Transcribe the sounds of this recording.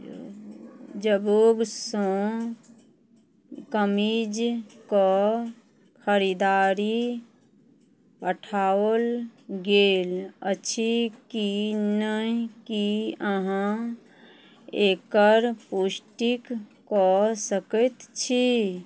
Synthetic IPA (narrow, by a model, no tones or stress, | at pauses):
d͡ʒəboɡsõ | kəmid͡ʒkɔ | kʰəɾid̪aɾi | pəʈʰaəlɡeləːt͡ʃʰikinəɦkiəɦã | ekəɾpusʈikː | ɔsəkət̪t͡ʃʰi